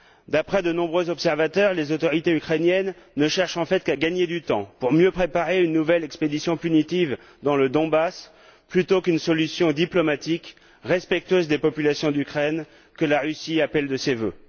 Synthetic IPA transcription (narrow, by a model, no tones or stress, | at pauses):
d̪apχɛd̪ənɔ̃bʁøzɔpsɛʁvat̪œʁlezot̪ɔʁit̪eykχɛnjɛnːəʃɛʁʃɑ̃fɛt̪kaɡaɲed̪yt̪ɑ̃puʁmjøpχepaʁeynːuvɛlɛksped̪isjɔ̃pynit̪iv | d̪ɑ̃ləd̪ɔ̃bas | plyt̪okynsɔlysjɔ̃d̪iplɔmat̪ik | ʁɛspɛk̚t̪ɥøzd̪epɔpylasjɔ̃d̪ykχɛn | kəlaʁysiapɛld̪əsevø